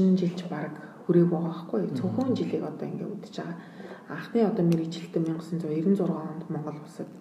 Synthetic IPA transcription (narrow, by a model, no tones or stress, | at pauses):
n̆nt͡ɕiɮt͡ɕpaɾə̆kxuɾeːkpʊʁɔ̆ːχɡujt͡sʰɵxuːnt͡ɕiɮiːkɔt̪ɔːiŋɡḛːṵt̪ɘ̥̆t͡ɕaʁaː | aɴχniːɔt̪ɔːmʲiɾit͡ɕɪ̆ɬt̪ɘ̆mʲiɴɢə̆sə̆nt͡sʊiɾɘ̆nt͡sʊrʁɔːə̆nt̪mɔɴɢɞ̆ɮʊsə̆k̪̚